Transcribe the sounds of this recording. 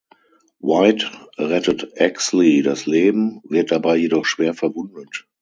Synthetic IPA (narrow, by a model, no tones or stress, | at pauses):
waɪtʁɛtətʔɛkslidasleːbm̩vɪɐt̚d̥abaɪjedɔχʃv̥eːɐfɛɐvʊndət